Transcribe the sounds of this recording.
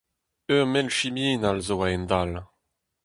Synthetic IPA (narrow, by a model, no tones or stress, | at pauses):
øʁmɛlʃimiːnalzoaɛnd̪al